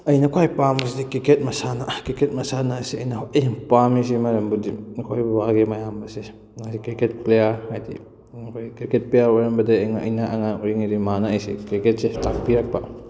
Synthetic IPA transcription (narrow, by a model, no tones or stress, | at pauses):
ɐjnɐkʰajpambɐs̬idikiket̚mɐsanakiket̚mɐsanasiɐjnɐɦoiŋpamis̬imɐɾɐmbudikʰajbubaɡemɐjambɐse | ŋajsikɾiket̚plejaɾhajdḭ | kʰojkɾiket̚plejaɾɔɾɐmbɐdaeŋaɐ̰jnaʔɐŋauiŋiɾimanaɐjsḭkɾiket̚setak̚piɾak̚ba